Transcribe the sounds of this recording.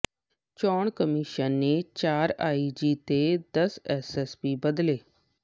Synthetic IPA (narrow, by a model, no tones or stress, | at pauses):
t͡ʃɔːɳ̃kəmiʃənːet͡ɕaːɾaːid͡ʑiːt̪ed̪əsɛsɛspiːbəd̪leː